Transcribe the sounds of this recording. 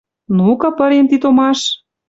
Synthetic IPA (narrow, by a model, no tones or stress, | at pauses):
nukɤ̆pə̆ɾemt̪it̪omɑʃ